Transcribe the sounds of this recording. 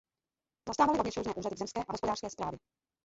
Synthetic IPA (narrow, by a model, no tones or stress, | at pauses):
zast̪aːvalɪɾovɲɛʃoʒnɛːʔuːradɪɡvzɛmskɛːʔaɦospdaːrskɛːspɾaːvjɛ